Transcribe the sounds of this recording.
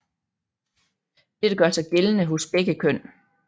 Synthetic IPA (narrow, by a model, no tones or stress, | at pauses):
d̥ed̥əɡ̥ɶɐsɑ̈ɪɡ̥elənəɦosb̥eɡ̥əkʰøn̰